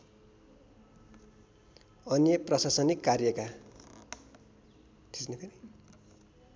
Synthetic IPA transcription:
ʌnjʌprʌsasʌnikːarjʌka | t̪ʰisnepʰeni

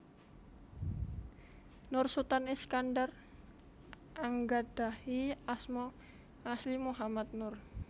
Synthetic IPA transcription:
nʊrsut̪anɛskandar | ʔaŋɡad̥ahiasmɔ | aslimuɦamat̪̚nʊr

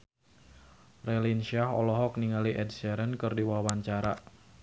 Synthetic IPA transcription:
relinʃiaɦɔlɔɦɔk̚niŋaliʔɛdsɛɾənkɨrdiwawaɲt͡ʃaɾa

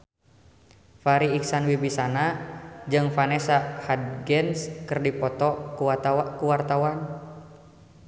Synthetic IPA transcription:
faɾiːksanwibisanad͡ʒɨŋfanɛsahad̪̚ɡɛnskɨrdipɔt̪ɔkuakuwart̪awan

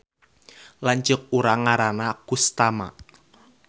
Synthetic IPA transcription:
laɲt͡ʃʊk̚uɾaŋaɾanakust̪ama̰

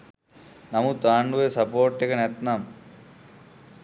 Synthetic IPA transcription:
nɐmut̪aːɳɖuʋesɐpoːɾʈːekɐnet̪nɐm

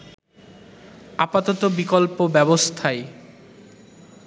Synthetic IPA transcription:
apat̪ɔt̪obikolpobɛbost̪ʰae

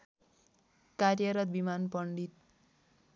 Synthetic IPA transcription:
karjʌɾʌt̪̚bimanpʌɳɖit̪̚

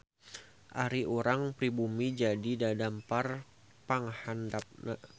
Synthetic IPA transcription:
ʔaɾiʔuɾaŋpɾibumid͡ʒadidadampar | paŋhandap̚na̰

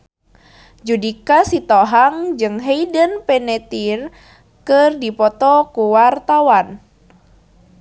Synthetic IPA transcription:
d͡ʒudikasit̪ɔɦaŋd͡ʒɨŋɦeidənpɛnɛt̪ir | kɨrdipɔt̪ɔkuwart̪awan

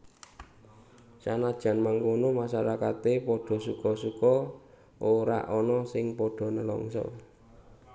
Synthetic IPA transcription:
t͡ʃanad̥ʒ̥ä̤nmaŋkonomaʃaɾakat̪epɔɖ̥ɔ̤sukɔsukɔ | ʔoɾa̰ʔɔnɔsɪŋpɔɖ̥ɔ̤nəlɔ̰ŋsɔ̰

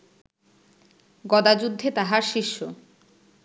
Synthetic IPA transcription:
ɡɔd̪ad͡ʑud̪ʱːet̪aɦaɾʃiʃːo

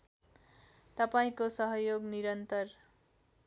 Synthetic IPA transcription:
t̪ʌpaĩkosʌɦʌjoɡniɾʌnt̪ʌr

